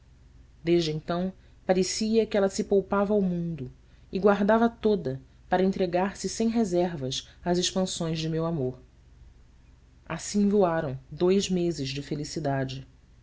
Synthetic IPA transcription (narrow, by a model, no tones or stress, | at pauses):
d̪eʒd͡ʒɪẽnt̪ɐ̃w̃ | paɾesiɐkɪɛlɐsɪpowpavɐawmũnd̪ʊ | ɪɡwaɾd̪avɐt̪od̪ɐ | paɾɐẽnt̪ɾeɡaɾsɪsẽj̃ɦezɛɾvɐʃazɪʃpɐ̃sõj̃zd͡ʒɪmewamoɾ | asĩvoaɾɐ̃w̃d̪ojzmezɪʒd͡ʒɪfelisid̪ad͡ʒɪ